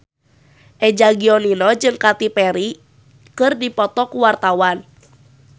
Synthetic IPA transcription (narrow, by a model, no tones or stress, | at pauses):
ʔɛd͡ʒaɡiɔlilɔd͡ʒɨŋkat̪ipɛɾi | kɨrdipɔt̪ɔkuwart̪awan